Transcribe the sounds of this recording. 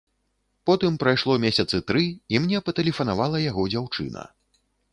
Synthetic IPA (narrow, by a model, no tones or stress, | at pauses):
pɔt̪ɨmpɾajʂlˠɔmʲesʲɐt̪sɨt̪ɾɨimnʲɛpɐt̪ɐlʲɛfɐnavalˠɐjaɣɔd͡zʲawt͡ʂɨ̰nɐ̰